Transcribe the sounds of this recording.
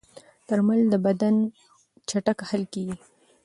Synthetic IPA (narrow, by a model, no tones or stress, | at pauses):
t̪əɾmald̪əbad̪an | t͡ʃaʈakhalkeɡi